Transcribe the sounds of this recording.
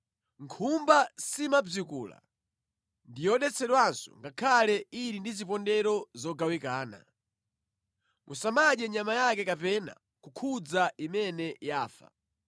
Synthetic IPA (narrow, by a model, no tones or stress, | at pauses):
ŋkʰumbasimab͡ʐikuːla̰ | ndijɔɗɛt͡sʰɛɗwansɔ̰ŋɡakʰalɛiɾindizipɔndɛɾɔzɔɡawikaːna̰ | mʔusamaʄɛɲamajakɛkapɛna̰ | kukʰud͡zaimɛnɛjaːfa̰